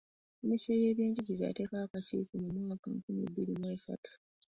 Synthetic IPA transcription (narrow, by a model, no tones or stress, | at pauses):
ministɾeje̞ːβjeːɲɟiɡizaja̰te̞ːkaakat͡ʃḭːfumumwaːka̰ŋkumḭbːiɾimwe̞ːsa̰tu̥